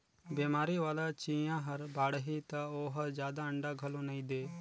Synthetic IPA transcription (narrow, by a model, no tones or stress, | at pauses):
beːmaːɾiːʋaːlaːt͡ʃĩːãːɦəɾbaːɽɦit̪ãoːɦəzjaːd̪aːəɳɖaːɡʱəlõːnəĩːd̪eː